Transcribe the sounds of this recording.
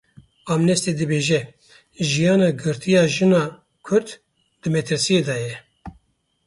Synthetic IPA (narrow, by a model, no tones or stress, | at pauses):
ɑmnɛst̪ed̪ɨbeːʒɛ | ʒijɑːnɑːɡɨɾt̪ʰijɑːʒɨnɑː | kʰʊɾd̪ | d̪̥ɨmɛt̪ʰɨɾsijeːd̪ɑːjɛ